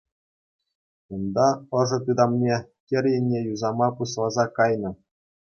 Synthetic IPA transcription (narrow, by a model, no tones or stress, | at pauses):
und̪ɑɤ̆ʐɤ̆t̪ud̪ɑmnʲekʲɘ̆rʲjɘ̆nʲːejuzɑmɑpuɕlˠɑzɑkɑjnɤ̆